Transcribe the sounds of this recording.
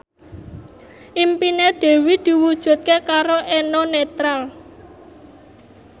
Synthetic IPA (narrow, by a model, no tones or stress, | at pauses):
ʔimpineɖ̪̥e̤wid̪̥i̤wud̥ʒ̥ṳt̪̚kekaɾoʔɛnonet̪ɾal